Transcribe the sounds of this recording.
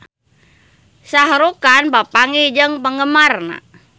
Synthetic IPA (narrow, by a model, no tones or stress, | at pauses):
saɦɾukanpapaŋid͡ʒəŋpəŋɡəmarna̰